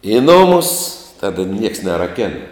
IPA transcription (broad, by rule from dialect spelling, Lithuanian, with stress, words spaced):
ɪ ˈnʊmʊs ˈtɑːdɐ nʲiɛks nʲɛrɐˈkʲæːnɐ